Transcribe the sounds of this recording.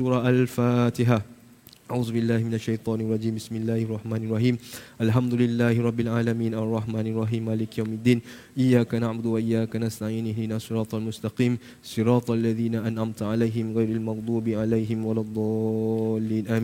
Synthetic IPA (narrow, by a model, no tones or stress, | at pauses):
uːɾˤɑʔalfaːt̪ɪɦa | ʔaʕuːðʊbɪlːaːhɪmɪnaʃːajt̪ˤɑːnɑrˤːɑd͡ʒiːmbɪsmɪlːaːhɑrˤːɑħmaːnɑrˤːɑħiːmʔalħamd̪ʊlɪlːaːhɪɾˤɑbːɪlʕaːlamiːnʔɑrˤːɑħmaːnɑrˤɑħiːmʕaːlɪkjawmad̪ːiːn | ʔɪjːaːkanaʕbʊd̪waʔɪjːaːkanast̪aʕiːnɪlɪnaːsˤɨɾˤɑːt̪ˤɑlmʊst̪ɑqiːm | sɨɾɑːt̪ˤʔalːaðiːnaʔanʕamt̪ʕalajɦɪmɣajɾalmɑɣd̪ˤuːbʕalajɦɪmwalɑd̪ˤːɑlːiːnʔami